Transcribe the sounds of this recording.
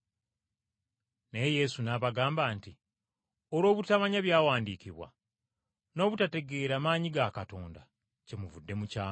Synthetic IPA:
ne̞je̞sunaβaɡaːmbaːnti | oɾo̞ːβutaβaɲaβjaːwaːndiːciβwa̰ | no̞ːβutate̞ɡe̞ːɾamaːɲiɡakato̞ːnda̰ | ce̞muvudːe̞mucaː

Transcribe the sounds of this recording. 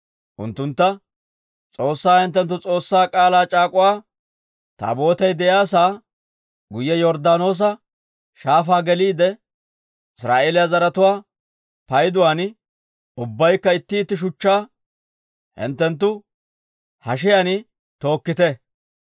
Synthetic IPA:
ʔʊ̰nt̪ːʊnt̪ːɐ | t͡sʼo̞ːsːaːhɪnt̪ːɛnt̪ːʊt͡sʼo̞ːsːaːkʼaːlaːt͡ʃʼaːkʼʊwaː | t̪a̰ːbo̞ːt̪ɛjd̪ɛjaːs̬aː | ɡʊjːɛjɔɾd̪aːno̞ːs̬ɐ | ʃaːfaːɡɛliːd̪ɛ | ɪsɾa̰ːʔeːlɪjazɐɾɐt̪ʊwaː | pɐjd̪ʊwaːn | ʊbːɐjkːɐɪt̪ːɪːt̪ːɪʃ̬ʊt͡ʃːaː | hɪ̰nt̪ːɛnt̪̬ːʊ | hɐʃ̬ɪjanɪ | t̪o̞ːkːɪt̪ɛ

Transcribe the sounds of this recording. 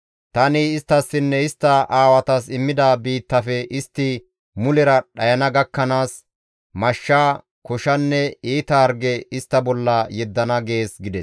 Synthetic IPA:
t̪ɐnɪːst̪ːɐsːɪnːɛɪst̪ːɐʔaːwɐt̪ɐsɪmːɪd̪ɐbiːt̪ːɐfɛʔɪst̪ːɪ | mʊlɛɾɐɗɐjɐnɐɡɐkːɐnaːs | mɐʃːaː | kɔʃɐnːɛiːt̪ɐɐɾɡɛɪst̪ːɐbɔlːɐjɛd̪ːɐnɐɡe̞ːsɡɪd̪ɛs

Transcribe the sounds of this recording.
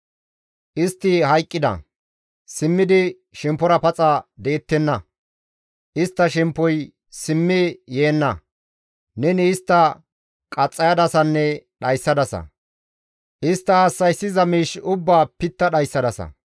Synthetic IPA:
ʔɪst̪ːɪhɐjkʼːɪd̪ɐ̰ | sɪmːɪd̪ɪ | ʃɛmpːɔɾɐpɐt͡sʼɐd̪e̞ːt̪ːɛnːɐ | ʔɪst̪ːɐʃɛmpːɔj | sɪmːɪjeːnːɐ | nɛnɪːst̪ːɐ | kʼɐt͡sʼːɐjɐd̪ɐsɐnːɛɗɐjsːɐd̪ɐsɐ̰ | ʔɪst̪ːɐːsːɐjsːɪzɐmiːʃʊbːaːpɪt̪ːɐɗɐjsːɐd̪ɐsɐ̰

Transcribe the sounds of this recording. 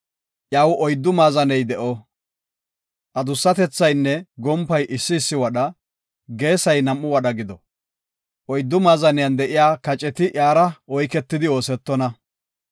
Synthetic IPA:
ʔjaːwɔjd̪ːʊmaːzɐnɛjd̪ɛʔɔ | ʔɐd̪ʊsːɐt̪ɛt͡sːɐjnːɛɡɔmpːɐjʔɪsːɪːsːɪwɐɗɐ | ɡe̞ːsɐjnɐmːʊwɐɗɐɡɪd̪ɔ | ʔɔjd̪ːʊmaːzɐnɪjɐnd̪ɛʔɪjaːkɐt͡ʃʼɛt̪ɪʔjaːɾɐɔjkɛt̪ːɪd̪ɪo̞ːsɛt̪ːɔnɐ

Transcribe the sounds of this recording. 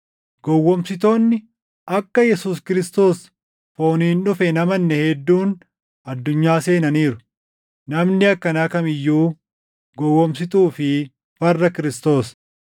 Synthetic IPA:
ɡ̥ɔwːɔmsɪt̪̬o̞ːnːɪ | ʔɐkːɐjɛsuːs̬kɪɾɪst̪o̞ːs | fo̞ːniːnᶑʊfɛnɐmɐnːɛhɛd̪ːuːn | ɐd̪ːʊɲːaːse̞ːnɐniːɾʊ̥ | nɐmnɪɐkːɐnaːkɐmɪjːuː | ɡɔwːɔmsɪt̪uːfɪ | fɐrːɐkɪɾɪst̪o̞ːs

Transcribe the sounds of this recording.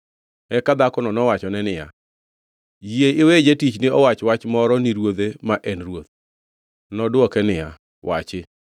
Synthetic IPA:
ɛkad̪akɔnɔnɔwat͡ʃɔnɛnɪja̰ | jieɪwed͡ʒetit͡ʃnɪɔwat͡ʃwat͡ʃmɔɾɔniɾwod̪emaʔɛnrwot̪̚ | nɔdwɔkɛnɪja̰ | wʔa̰t͡ʃɪ

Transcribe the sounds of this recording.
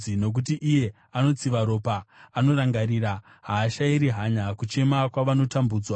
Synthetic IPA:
ino̞k̬ut̬iʔije̞ | ano̞t͡siʋaɾo̞ːpaːno̞raŋɡaɾiɾa | ɦaːʃaiɾiɦaɲakut͡ʃe̞makwaʋano̞tambuːd͡zwa

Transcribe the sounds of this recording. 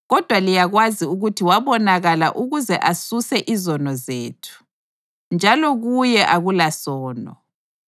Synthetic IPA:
ɣɔd̥ʱwalijaɣwaziuɣutʰiwaβɔnaɣala̰ʔuɣuzɛʔasusɛʔizɔnɔzeːtʰu̥ | nd͡ʒʱalɔɣujɛʔaɣulasɔːnɔ

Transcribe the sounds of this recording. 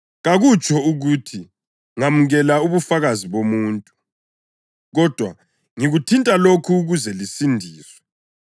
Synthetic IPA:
ɣaɣut͡ʃʼɔuɣutʰi | ŋamuɣɛlauβufaɣaziβomuːntʼu | ɣɔd̥ʱwa̰ | ŋiɣutʰintʼalokʰuɣuzɛlisindʱiːswɛ

